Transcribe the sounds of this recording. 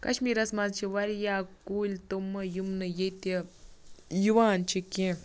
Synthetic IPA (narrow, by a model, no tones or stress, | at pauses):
kɐ̰ʃmiːɾɐsmazt͡ʃʰiʋɐɾjaːkulʲt̪umːɐjumnɨjet̪e | juʋaːnt͡ʃʰikẽ